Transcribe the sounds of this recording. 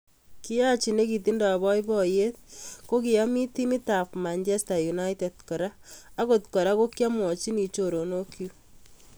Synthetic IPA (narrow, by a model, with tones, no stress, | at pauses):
ki˦ja˦t͡ʃi˨ne˦ki˨t̬i˦nda˨bɔ˦jbɔ˨je˦t̚ko˦ki˨ja˦mi˦ti˦mi˦ta˨pma˨ɲt͡ʃɛ˦sta˨ju˨na˦jte˨t̚kɔ˨ɾaː˦ko˨tkɔ˨ɾa˦ko˦kja˦mwɔ˨t͡ʃi˦ni˨t͡ʃo˨ɾo˨no˦kʰju˦